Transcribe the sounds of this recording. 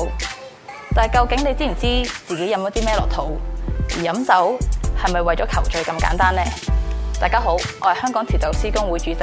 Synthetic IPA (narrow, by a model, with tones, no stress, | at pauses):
w | t̪aː˨˩jkɐ˧wkɪ˨˥ŋne˨˧t͡siː˥m̩˨˩t͡siː˥t͡siː˨ke˨˥jɐ˧˥mɔ˨˥t̪iː˥mɛː˥lɔː˨k̚t̪ʰo˨˥wjiː˨˩jɐ˨˥mt͡sɐ˨˥whɐ˨jmɐ˨˩jwɐ˨jt͡ʃɔː˨˥kʰɐ˨˩wt͡ʃɵ˨˧ɥkɐ˧mka̰ː˨˥nt̪aː˥nlɛː˥t̪aː˨jkaː˥ɦo˨˥wɔː˨˧˥hɐ˨˩hœː˥ŋkɔː˨˥ŋt̪ʰiː˨˩t̪ɐ˨˩wsiː˥kʊ˥ŋwuː˨˧jt͡ʃyː˧t͡s